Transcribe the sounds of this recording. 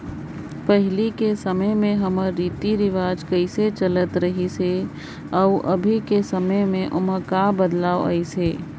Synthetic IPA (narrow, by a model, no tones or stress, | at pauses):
pəɦɪlikesəməjmẽɦəməɾːiːt̪iɾɪʋaːd͡ʒkəɪset͡ʃələt̪ɾəɦise | ɔʊʔəbʱikesəməjmẽʔʊməkabəd̪laːoə̰iseː